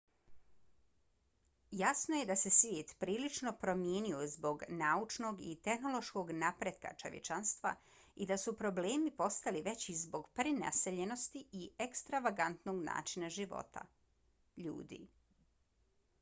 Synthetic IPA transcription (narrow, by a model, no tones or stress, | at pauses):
jasnoje̞d̪ase̞sʋjeːt̪pɾiːlit͡ʃno̞pɾo̞mjeːniozbo̞ɡnaːut͡ʃno̞ɡḭt̪e̞xno̞lo̞ʃko̞ɡnapɾed̪̚ka̰t͡ʃo̞̰ʋjḛt͡ʃanst̪ʋa̰ | id̪asupɾo̞ble̞ːmipo̞st̪aliʋe̞t͡ɕizbo̞ɡpɾina̰se̞ʎe̞no̞st̪iiekst̪ɾaʋaɡant̪no̞ɡna̰ːt͡ʃinaʒiʋo̞̰t̪a̰ | ʎṵːd̪ḭ